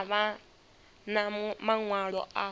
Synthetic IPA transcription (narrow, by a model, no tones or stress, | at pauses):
βa | namaŋwaɺɔ̰ʔa